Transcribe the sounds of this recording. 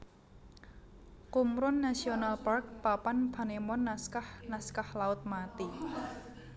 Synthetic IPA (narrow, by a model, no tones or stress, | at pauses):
kumɾʊnːasionalpark̚papanb̥a̤nemɔnːaskahnaskahlaʊt̪̚mat̪i